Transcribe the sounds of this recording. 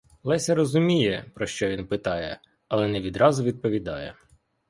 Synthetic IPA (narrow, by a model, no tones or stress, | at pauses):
lˠɛsʲɐɾɔzʊmʲijɛpɾɔʃt͡ʃɔʋʲinpɪt̪ɑjɛ̰ | ɐlˠɛnɛʋʲid̪ɾɑzʊʋʲid̪̚pɔʋʲid̪ɑjɛ̰